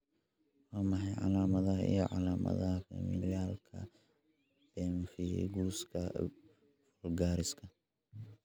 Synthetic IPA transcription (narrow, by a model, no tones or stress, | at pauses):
wɑːmɐħɑjʕɑ̰laːmɐðɐɦɐḭjɔʕɑlaːmɐ̰ðɐhɐfɐ̰mḭljaːlkʰɐ̰ | b̥ɛːmfɪjɛ̰jɡuːskʰɐ | fɔlɡaːɾɪskʰɐ